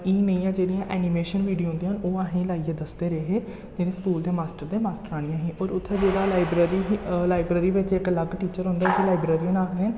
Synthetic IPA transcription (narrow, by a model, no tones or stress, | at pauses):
iːnəĩːãːd͡ʒeːɽijãːʔɛːnimeːʃənʋiːɖijõːɦʊ̃nd̪iãːnoːaɦẽːlaːieːd̪əsd̪eːɾeːɦeː | d͡ʒeːɽẽːskuːld̪eːmaːsʈəɾd̪eːmaːsʈəɾaːɽ̃ĩjãːɦiːʔɔːɾʊt̪ʰːeːd͡ʒeːɽaːlaːɪbɾəɾiɦlaːɪbɾeːɾiːʋɪt͡ʃɪkləɡʈiːt͡ʃəɾɦʊ̃nd̪aːʊselaːɪbɾeːɾiːɦnaːɡeɦən